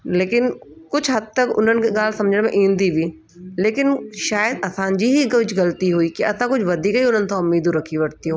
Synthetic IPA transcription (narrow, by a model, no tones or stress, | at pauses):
leːkɪnkʊd͡ʑʱɦɐd̪̚t̪ɐkʊ̰n̤ənɪ̆kʰeɠaːl̤sɐ̃md͡ʑʱəɽ̃mẽʔĩːn̆d̪ibʱiː | leːkɪnʃaːjəd̪ɐsãd͡ʑiːɦiɡʊd͡ʑʰɡɐlt̪iɦuiːkiɐsãkʊd͡ʑʱʋɐd̪ʱiːkɦiʊn̤ənɪ̆t̪ʰãʊmːiːd̪ũɾɐkʰiʋɐɽt̪ijũː